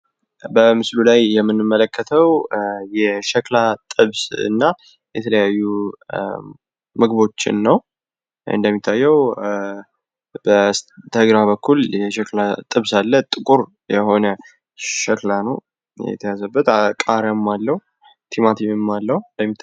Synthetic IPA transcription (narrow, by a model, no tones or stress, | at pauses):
bəmɨslulajːɛmːɨnːɨmːələkːət̪ʰəwjɛʃəklat̪ʼɨβsɨ̰nːa | jɛt̪ʰələjajːu | mɨɡβo̞t͡ʃːɪ̰nːəw | ɨ̰nd̪əmːit̪ʰːajːɛw | bət̪ʰəɡɾabəkːuljɛʃəklat̪ʼɨβsalːət̪ʼɨkʼuɾ | jɛho̞nə | ʃəklanəw | ɛ̰t̪ʰəjazəbːət̪akʼaɾəmːalːəhu | t̪ʰimat̪ʰiɨmːalːəhund̪əmːit̪ʰː